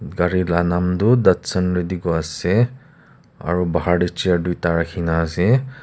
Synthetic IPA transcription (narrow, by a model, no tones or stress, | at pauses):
ɡaɹilanamdudatsənɹidiɡɔasɛ | a̰ɹubaɦaɹdit͡ʃijadujtaɹakʰinaːsɛ